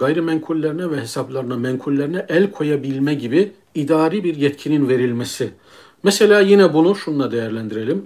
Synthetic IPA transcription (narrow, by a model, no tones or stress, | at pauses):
ɡ̥ajɾɯmɛŋkʰulʲːeɾinɛvɛhesaplˠaɾɯnamɛŋkʰulʲlʲːeɾinɛʔælʲkʰo̞jabilʲmɛɟibi | id̪aːɾibiɾjɛt̪cʰininve̞ɾilʲmesi | mɛselʲaːjinɛbunuʃund̪ad̪ejæɾlʲænd̪iɾe̞lʲim